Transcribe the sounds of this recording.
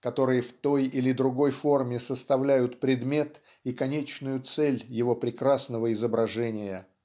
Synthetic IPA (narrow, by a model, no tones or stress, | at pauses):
kɐt̪o̞ɾɨjəft̪o̞jilʲɪd̪ɾʊɡo̞jfo̞rmʲɪsəst̪ɐvlʲæjʊt̪pɾʲɪd̪mʲe̞t̪ | ikɐnʲet͡ɕnʊjʊt̪sɛlʲjɪvo̞pɾʲɪkɾasnəvəɪzəbɾɐʐɛnʲɪjə